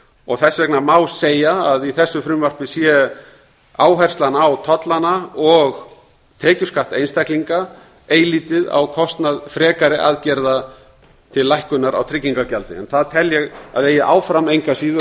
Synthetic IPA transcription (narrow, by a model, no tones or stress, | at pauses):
ɔɣθɛsvɛknamaːwseːjaːðiθɛsːʏfɾʏmvar̥pɪsjɛ | aːwɦɛjr̥t̪lanawt̪ʰɔt̪lanaɔɣ | t̪ʰɛːcʏskaht̪ejnst̪ajkliŋka | eːjliːt̪ɪða̰wkʰɔst̪naðfɾɛːkaɾɪʔaðcɛɾða | t̪ʰɪllːajhkʏnaɾa̰wt̪ʰɾɪcːiŋkacalt̪ɪ̰ɛ̰nθaðt̪ʰɛljɛɣaðeːjɪʔa̰ːwfɾamejŋkasiːðʏ